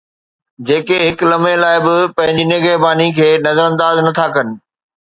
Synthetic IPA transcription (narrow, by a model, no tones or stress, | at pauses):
d͡ʑeːkeɦɪklɐmẽlaːɪbɪpɐ̃ɦɪ̃ɲd͡ʑinɪɡəɦbaːnikʰeːnɐzəɾɐ̃nd̪aːznɐt̪ʰakɐnɪ̆